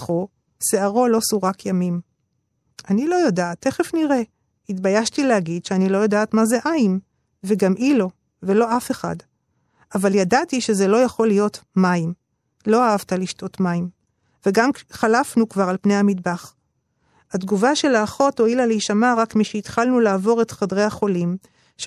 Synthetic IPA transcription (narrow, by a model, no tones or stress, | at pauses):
χo | seaʁo̞lo̞suʁakʰjamim | ʔanilo̞jodaːte̞χe̞fniʁe̞ | hitbajaʃtilehaɡidʃeanilo̞jodaːtmazeʔaim | veɡamʔilo̞ | velo̞afe̞χa̰d | avaljadatiʃe̞zelo̞jaχo̞lijo̞tmaim | lo̞aavtaliʃtʰo̞tmaim | ve̞ɡamχalafnukvaʁalpne̞jhamidbaχ | adɡuvaʃe̞laːχo̞to̞ilaleiʃamaʁakmiʃeitχalnulaːvo̞ʁe̞tχadʁe̞jhaχo̞lim | ʃ